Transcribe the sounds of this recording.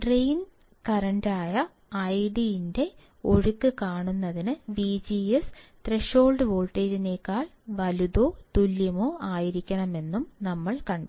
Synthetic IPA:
ʈrejn | kɐɾɐɳdaːjɐː | jɖijinde̞ | o̞ɻukːɨkaːɳunːɐðinɨʋiːd͡ʑiest̪re̞ʂo̞ːlɖɨʋo̞ːɭʈːeːd͡ʑineːkːaːɭ | ʋɐluðo̞ːt̪uljɐmo̞ːaːjiɾikʲːɐɳɐme̞nːumnɐmːɐɭkɐɳɖ

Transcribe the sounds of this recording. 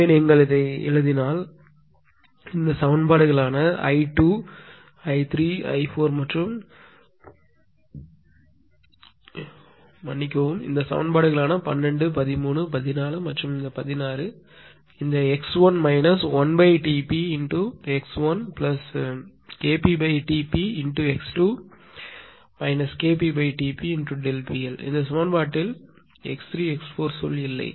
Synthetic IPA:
eːnɛŋɡɐɭɪðɐɛ̰ɻɯðɪnaːl | ɪnd̪ɐsɐʋɐnbaːɽɯɣɐɭaːnɐɐ̰ɪʈuː | ɐɪt̪ɾiːɐ̰ɪfoːɾmɐʈrɯm | mɐnːɪk̬ʲːɐʋɯmɪ̰nd̪ɐsɐ̰ʋɐ̰nbaːɽɯɣɐɭaːnɐpɐ̰nɾɛɳɖɯpɐðɪmuːɳɯpɐðɪnaːlɯmɐʈrɯmɪnd̪ɐpɐðɪnaːɾɯ | ɪnd̪ɐɛksʋɐnmɐɪnɐsʋɐnbɐɪʈiːpiɪnʈuɛksʋɐnplɐs | keːpibɐɪʈiːpiɪɳʈuɛksʈuː | mɐɪnɐskeːp̬iːbɐɪʈiːpiɪɳʈuɖɛlpiɛlɪ̰nd̪ɐsɐmɐnbaːʈːɪl | ɛ̰kst̪ɾiːɛksfoːɾsɔ̰lːɪlːɐ̰ɪ

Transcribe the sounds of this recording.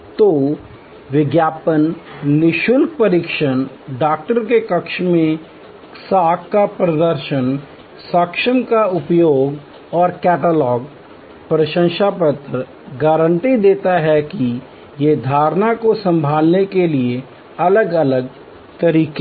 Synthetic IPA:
t̪oː | ʋɪɡjaːpənːɪʃʊlk̚pɐɾɪkʃən | ɖaːk̚ʈəɾkekɐkʃmẽ | saːkːapɾəd̪əɾʃən | sɐkʃəmkaʊpjoːɡ | ɔːɾkɛːʈəlɔːɡ | pɾəʃə̃ŋʃapət̪ɾə | ɡaɾə̃ɳʈid̪eːt̪aɦɛki | jed̪ʱaːɾnakosɐ̃mbʱaːlnekelie | ɐləɡɐləɡ̚ | t̪ɐɾiːke

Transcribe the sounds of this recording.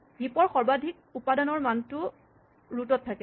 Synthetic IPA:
bipɔɹxɔɹbadʱik̚upadɔnɔɹmantʊ | ɹutɔtʰːakɛ

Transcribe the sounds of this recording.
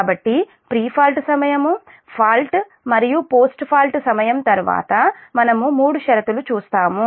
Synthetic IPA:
bɐʈːi | pɾiːpʰaːlʈsɐmɐjɐmu | pʰaːlʈ | mɐɾijupoːsʈpʰaːlʈsɐmɐjɐmt̪ɐɾuʋa̰ːt̪ɐmɐnɐmumuːɽuʃɐɾɐt̪ulut͡ʃuːst̪aːmu

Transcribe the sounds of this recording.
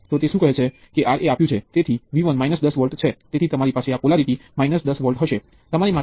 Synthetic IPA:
t̪ot̪eʃũkəɦet͡ʃʰe | keʔaɾeapjũt͡ʃʰet̪et̪ʰiʋiʋənmajnəsd̪əsʋəɾʈt͡ʃʰet̪et̪ʰit̪əmaɾipaseapolaɾit̪imainəsd̪əsʋəlʈɦəʃe | t̪əmaɾima

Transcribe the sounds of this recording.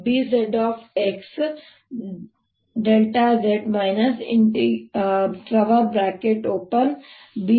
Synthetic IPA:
biːzeɖɔːfeks | ɖelʈazeʈmaɪnəsɪ̃ɳʈi | ʈɾɐʋəbɾaːkeʈoːpən | bi

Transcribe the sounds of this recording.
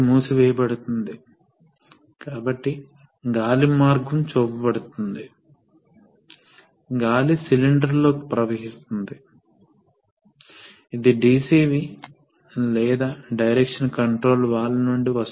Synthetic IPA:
muːsiʋɛːjɐbɐɽut̪und̪i | kaːbɐʈːi | ɡaːlimaːɾɡɐmt͡ʃoːpɐbɐɽut̪und̪i | ɡaːlisiliɳɖɐɾlo̞ːki̥pɾɐʋɐɦist̪und̪i | id̪iɖiːsiːʋi | lɛːd̪aːɖɐjɾekʂɐnkɐɳʈɾo̞ːlʋaːɭːɐnuɳɖiʋɐs

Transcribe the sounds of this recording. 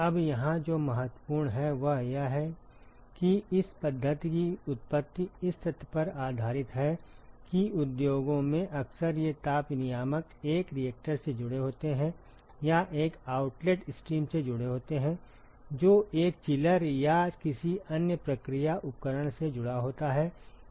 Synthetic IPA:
ɐbjɐɦãd͡ʒoːmɐɦət̪wəpuːɾɳɦɛʋɐɦjaɦɛ | kiɪspɐd̪ʱːət̪ikiʊt̪̚pət̪ːiɪst̪ʰɪt̪ʰpɐɾaːd̪ʱaːɾɪt̪ɦɛkiʊd̪joːɡõmẽʔɐksəɾjet̪aːpnɪjaːməkeːkɾijek̚ʈəɾsed͡ʒʊɽeɦoːt̪eɦɛ̃ | jaʔeːkaːʊʈleːʈɪsʈɾiːmsed͡ʒʊɽeɦoːt̪eɦɛ̃ | d͡ʒoːʔeːkt͡ʃɪləɾjakɪsiɐnjəpɾəkɾijaʔʊp̚kəɾəɽ̃sed͡ʒʊɽaɦoːt̪aɦɛː

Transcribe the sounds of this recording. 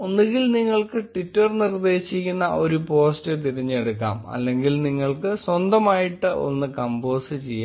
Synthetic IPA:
onːiɣilniŋːɐɭkɨʈʋitːɐrnird̪e̞ːɕikːunːɐʔo̞ɾupo̞ːstɨt̪iɾiɲːeɽukːa̰ːmɐ̰lːe̞ŋɡilniŋːɐɭkɨswɐnd̪ɐmaːjiʈːɨo̰nːɨkɐmbo̞ːsɨt͡ɕejːa

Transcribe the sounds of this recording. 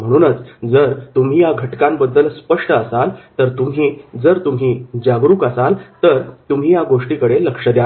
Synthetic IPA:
m̤əɽ̃uːnət͡sd͡zəɾt̪um̤iːjaɡʱəʈkãmbəd̪ːəlspəʂʈəəsalt̪əɾt̪um̤iːd͡zəɾt̪um̤iːd͡ʑaɡɾuːkəsalt̪əɾt̪um̤iːjaɡoʂʈikəɽeləkʂəd̪ja

